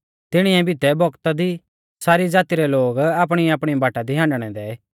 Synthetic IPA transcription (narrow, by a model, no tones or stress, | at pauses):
t̪ɪɽ̃iɛ̃bʱɪt̪ɛbʱɔkt̪ad̪i | saːɾid͡zaːt̪iɾɛloːɡaːp̬ɽ̃iaːpɽ̃ibaːʈad̪iɦãːɳɖɽ̃ɛd̪ɛ